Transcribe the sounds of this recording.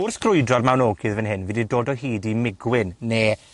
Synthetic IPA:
ʊrθɡ̥rʊjdrɔrmawnoːɡɪðvənɦɪnviːdidoːdɔɦiːdimɪɡwɪnːeː

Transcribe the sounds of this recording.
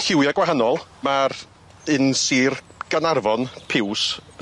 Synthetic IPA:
ɬɪwjaɡwaɦanɔlˠmar | ɨnsiːrɡ̥anarvɔnpʰɪws

